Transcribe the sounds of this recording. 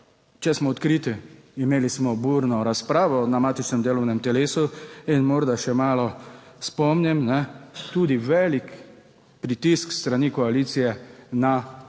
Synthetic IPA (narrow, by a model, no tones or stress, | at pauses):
t͡ʃɛsmɔːt̪kɾiːt̪iimeːlismɔbuːɾnɔɾaspɾaːʋɔnamaːt̪it͡ʃnɛmd̪eːlɔwnɛmt̪ɛleːsuinmɔɾd̪aʃɛmaːlɔ | spɔmnɛmnɛt̪uːd̪iʋɛlik | pɾit̪iskst̪ɾanikɔaliːt̪sijɛna